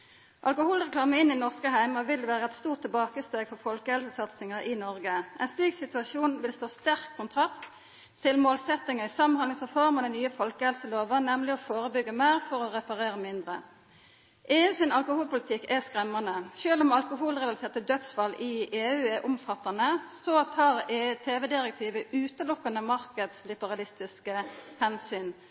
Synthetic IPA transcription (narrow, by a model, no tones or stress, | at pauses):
ʔɑ̰lkʊhuːlʁɛklɑːməɪnːɪnɔʁskəɦæɪmɑʋɪld̪ɛʋæːʁəɛt̪st̪uːt̪ʰːɛlbɑːkəst̪eːɡfɔʁfɔlkəhɛlsəsɑt̪sɪŋəʁʔɪnɔʁɡəʔɛɪnst̪iːɡsɪt̪ʉɑʃuːnʋɪlst̪oːst̪æʁkʰːʊnt̪ʰʁɑst̪ʰː | ɪlmoːlsɛt̪ːɪŋəɪsɑmənɑnəŋsəfɔʁməʁnɛnyːəfɔlkəhɛlsəloːʋənɛmlɪɔfoːʁəbʏɡːəmæɪʁfɔʁɔʁɛpɑʁeːʁəmɪnd̪ʁə | ʔeːʉsyːnɑlkʊhuːlpʊlɪt̪ʰɪkːɛskʁɛmːɑnəʃøːlʊmɑlkʊɦuːlʁɛlɑlsʰeːʁt̪əd̪œt̪sfɑlʔɪeːʉːɛʔʊmfɑt̪ːɑnəsot̪ʰɑːʁet̪ʰeːʋɛd̪ɪʁɛk̚t̪ʰiːʋəʉːt̪əlʊkːɑnəmɑʁkəd̪slɪbəʁɑlɪst̪ɪskəhɛnsyːn